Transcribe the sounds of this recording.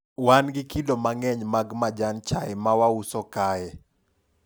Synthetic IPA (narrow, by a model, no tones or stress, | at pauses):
wanɡɪkidomaŋɛɲmaɡmad͡ʒant͡ʃaɛmawausɔkaɛ